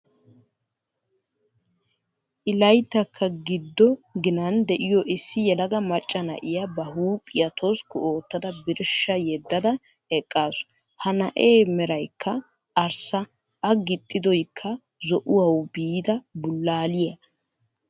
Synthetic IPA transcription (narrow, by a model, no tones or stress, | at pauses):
ʔɪlɐjt̪ːɐkʰːɐɡɪd̪ːɔɡɪnɐnd̪ɛʔɪjɔʔɪsːɪjɛlɐɡɐmɐt͡ʃʼːɐnɐ̰ʔɪjɐbɐhuːpʼɪjɐt̪ʰoskʊʔo̞ːt̪ːɐd̪ɐbɪɾʃːɐjɛd̪ːɐd̪ɐ | ɛkʼːaːsʊ̥ | hɐnɐʔeːmɛɾɐjkʰːɐ | ɐɾsɐ | ʔːɡɪt̪ʼːɪd̪ɔjkʰːɐ | zɔʔʊwɐwbiːd̪ɐbʊlːaːlɪjɐ